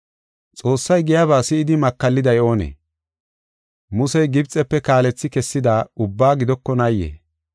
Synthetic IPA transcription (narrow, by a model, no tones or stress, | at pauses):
t͡sʼo̞ːsːɐjɡɪjaβaːsɪːd̪ɪmɐkːɐlːɪd̪ɐjo̞ːnḛː | mʊsɛjɡɪbt͡sʼɛpːɛkaːlɛt͡sːɪkɛsːɪd̪aːʊbːaːɡɪd̪ɔkːɔnɐjːḛː